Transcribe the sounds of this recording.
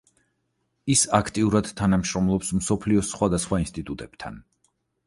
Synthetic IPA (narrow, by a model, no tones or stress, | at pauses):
isakʰt̪ʼiuɾad̪̥t̪ʰanamʃɾɔmlˠɔpsmsɔpʰliɔsχwad̪asχwainst̪ʼit̪ʼut̪ʼɛb̥t̪ʰa̰n